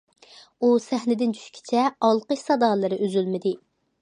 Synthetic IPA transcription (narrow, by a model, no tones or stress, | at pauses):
usæhnɪd̪ɪnd͡ʒʰy̥ʃkʲʰi̥t͡ʃʰɛɑlˠqəʃsɑd̪ɑlˠɨɾɨʔøzylmɪd̪ɪ